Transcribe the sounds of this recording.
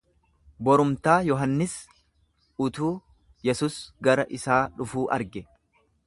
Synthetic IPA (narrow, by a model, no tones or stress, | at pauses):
bɔɾʊmt̪aːjɔɦɐnːɪs | ʊt̪uː | jɛsuːsɡɐɾɐʔɪsaːᶑʊfuːʔɐ̰ɾɡɛ